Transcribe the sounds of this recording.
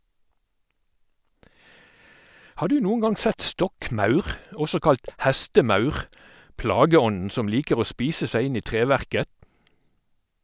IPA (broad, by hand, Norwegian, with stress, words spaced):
ˈhɑː ˈdʉː ˈnuːŋ̍ ˈɡɑŋ ˈsɛt ˈstɔkˌmɑʉʁ ˈɔsɔ ˈkɑlt ˈhɛstəˌmɑʉʁ ˈplɑːɡəˌɔnn̩ ˈsɔm ˈliːkəʁ ˈoː ˈspiːsə ˈsæɪ ˈɪn ˈiː ˈtʁeːˌʋæʁkə